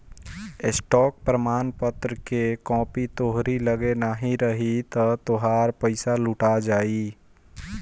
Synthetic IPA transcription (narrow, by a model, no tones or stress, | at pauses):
ɪsʈɔːk̚pɾəmaːnpət̪ɾəkekɔ̃ːpit̪oːɦɾiləɡenaɦiɾəɦit̪ɐt̪oɦaːɾpəɪsalʊʈad͡ʒaːi